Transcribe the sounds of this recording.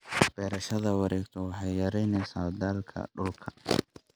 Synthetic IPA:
b̥ɛːɾɐʃɐðɐwɑɾʔɛːɡt̪ʰɔwɑħɑjɐɾɛjnɪsaːbd̪aːlkʰɐ̰ɗʊlkʰɐ̥

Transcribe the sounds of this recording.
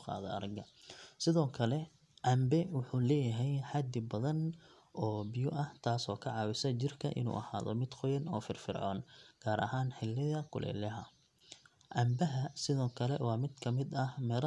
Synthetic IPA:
qɑ̰ːðɔ̰ɐ̰ɾɐɡɐ | sɪðɔːkʰɐlɛ | ʕɑmbɛwʊħuːlɛːjɐɦɛjħɑd̪ɪbɐðɐn | ɔːbɪjʊʔɐht̪ʰaːsɔːkʰɐʕɑːwɪsɐt͡ʃɪrkʰɐ̰ʔɪ̰nṵːʔɐ̰haːðɔ̰mɪd̪qɔjɐnɔːfɪrfɪrʕɔ̰ːnɡ̥aːɾʔɐ̰ɦaːnħɪlːɪðɐkʰʊ̰lʔɛ̰ːlɐɦɐ | ʕɑmbɐɦɐsɪðɔːkʰɐlɛ̰wɑːmɪd̪kʰɐmɪd̪ɐhmɛːl

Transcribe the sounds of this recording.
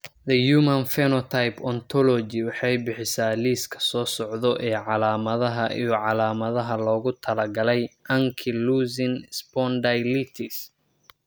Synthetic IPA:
d̪ɐjumɐnfɛnɔt̪ʰajpʰɔnt̪ʰɔlɔd͡ʒɪwɑħɑjbɪħɪsaːliːskʰɐ̥sɔːsɔʕðɔʔɛːʕɑlaːmɐðɐɦɐʔijʕɑlaːmɐðɐɦɐlɔːɣʊt̪ʰɐlɐɡɐlɛjʔɐŋkʰɪluːzɪnspɔnd̪ajlit̪ʰɪs

